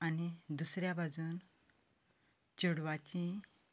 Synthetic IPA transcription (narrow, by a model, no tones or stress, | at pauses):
anid̪usɾjabʱad͡zuːn | t͡ɕuɽʋat͡ɕĩ